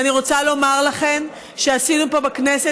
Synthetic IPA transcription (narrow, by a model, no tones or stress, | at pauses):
aniʁo̞t͡salo̞maʁlaχe̞m | ʃeasinupo̞baknese